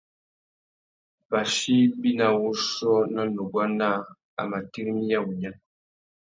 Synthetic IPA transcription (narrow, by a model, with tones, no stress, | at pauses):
ba˨ʃi˦bi˦na˨wu˦sɔ˦na˦nu˨ɡwa˦na˦ | a̰˨ma˨ti˦ɾmi˦ja˦˨wu˨ɲa˦